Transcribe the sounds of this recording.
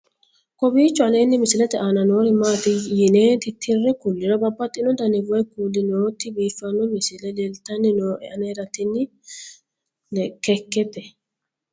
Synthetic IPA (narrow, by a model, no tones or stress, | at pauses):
kɔbiːt͡ʃːɔɐleːnːɪmɪsɪlɛt̪ɛanɐnoːɾɪmaːt̪ɪjɪneːt̪ɪt̪ʰːɪrːɛkʊlːɪɾɔbɐbːɐt̪ʼːɪnɔd̪ɐnɪvɔɛkuːlɪnoːt̪ːɪbiːfːɐnːɔmɪsɪlɛdɛlt̪ɐnːɪnoːʔɛɐneɾɐt̪ːɪnːɪ | kɛkːɛt̪ɛ